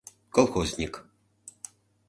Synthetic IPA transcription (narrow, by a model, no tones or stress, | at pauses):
kɔlˠxozʲnʲik